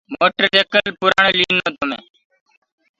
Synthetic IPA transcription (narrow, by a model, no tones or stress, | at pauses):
moːʈəɾt͡ʃeːkəlpuɾa̰ːɳliːnoːt̪omḛː